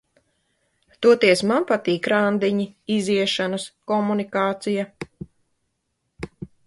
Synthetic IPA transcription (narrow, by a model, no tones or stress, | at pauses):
t̪uɔt̪iɛsmampat̪iːkɾand̪iɲiiziɛʃanɐskɔmunikaːt̪sija